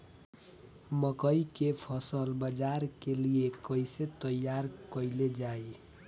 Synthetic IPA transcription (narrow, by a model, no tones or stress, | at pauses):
məkəikepʰʌsəlbəd͡ʒaɾkeliekəjset̪əjaɾkʌiled͡ʒae